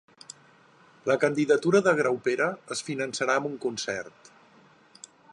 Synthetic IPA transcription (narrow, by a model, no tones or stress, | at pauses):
ləkənd̪iðət̪uɾəðəɣɾawpeɾəəsfinənsəɾaəmuŋkunsɛ̰rt̪